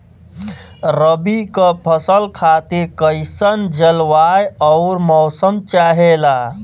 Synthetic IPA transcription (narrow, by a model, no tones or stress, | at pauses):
ɾəbikəpʰəsəlkʰat̪iɾkəjsənd͡ʒəlʋajɔʊɾmɔːsəmt͡ʃaɦela